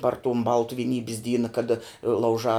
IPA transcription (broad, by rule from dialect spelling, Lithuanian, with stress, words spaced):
pɐr tʊm ˈbɐlˠtʊ ʋʲɪˈnʲiːbʲɪs ˈdʲiːnɐ kɐˈdɐ lˠɐʊˈʒɑː